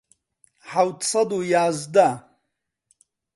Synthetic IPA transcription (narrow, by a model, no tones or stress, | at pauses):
ħawt̪ʰsad̪ujaːzd̪a